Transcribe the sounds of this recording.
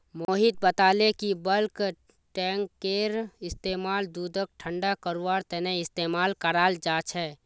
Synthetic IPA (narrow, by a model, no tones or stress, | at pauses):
moːɦɪt̪̚bət̪aːlekibəlk | ʈɛːŋkːeːɾɪst̪eːmaːld̪uːd̪ək̚ʈʰə̃ɳɖakəɾuaːɾt̪ɛneɪst̪eːmaːlkəɾaːld͡ʒaːt͡ʃʰɛː